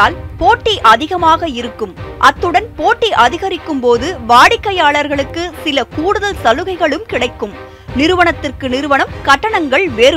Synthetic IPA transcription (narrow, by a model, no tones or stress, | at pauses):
aːlpoːʈːiʔɐðɪɣɐmaːɣɐɪɾɯkːɯmʔɐt̪ːɯɽɐnpoːʈːiʔɐðɪɣɐɾɪkːɯmpoːðɯʋaːɽɪkːɐjaːɭɐɾɣɐɭɯkːɯsɪlɐkuːɽɯðɐlsɐlɯɣɐɪɣɐɭɯmkɪɽɐɪkːɯm | nɪɾɯʋɐɳɐt̪ːɪrkɯnɪɾɯʋɐɳɐmkɐʈːɐɳɐŋɡɐɭʋeːɾɯ